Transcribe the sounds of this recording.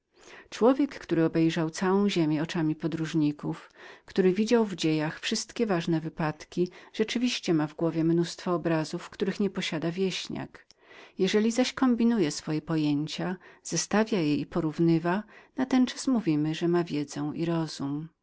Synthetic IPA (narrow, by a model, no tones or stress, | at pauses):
t͡ʂwɔvʲjɛkːt̪uɾɘɔbɛjʐawt̪sawɔ̃w̃ʑemʲjɛɔt͡ʂamʲipɔd̪ɾuʐɲikufkt̪uɾɘvʲid͡ʑawvd͡ʑejaxfʂɘst̪kʲɛvaʐnɛvɘpat̪kʲiʐ̥ɛt͡ʂɘvʲiɕt͡ɕɛmavɡwɔvʲjɛmnust̪fɔːbɾazufkt̪uɾɘxɲɛpɔɕad̪avʲjɛɕɲa̰kjɛʐɛlʲizaɕkɔmbʲinujɛsfɔjɛpɔjeɲt͡ɕaz̥ast̪avʲjajeipɔɾuvnɘvanat̪ɛnt͡ʂasmuvʲimɘʐɛmavʲjɛd̪zɛw̃ʔiɾɔzum